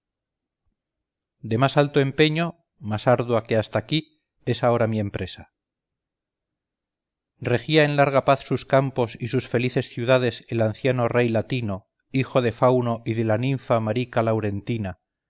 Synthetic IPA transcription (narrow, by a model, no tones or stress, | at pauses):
d̪e̞masalt̪oe̞mpe̞ɲo̞ | masaɾðwake̞ast̪aki | e̞sao̞ɾamie̞mpɾe̞sa | re̞xiae̞nlaɾɣ̞apaθsuskampo̞sisusfe̞liθe̞sθjuðað̞e̞se̞lanθjano̞re̞jlat̪ino̞ | ixo̞ðe̞fawno̞ʔiðe̞lanĩɱfamaɾikalawɾe̞nt̪ina